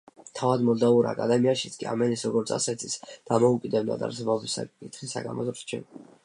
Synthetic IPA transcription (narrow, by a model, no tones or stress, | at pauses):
t̪ʰavad̪mɔd̪auɾa̰ːkʼad̪ɛmiaʃit̪sʰkʼia̰mɛnisɾɔɡɔɾt̪sʰa̰sɛt̪ʰisd̪̥amɔukʼid̪ɛbd̪a̰d̪a̰ɾsɛbɔbisa̰kkʼit̪χisa̰ɡa̰mɔ̰zɾt͡ʃʰɛ̰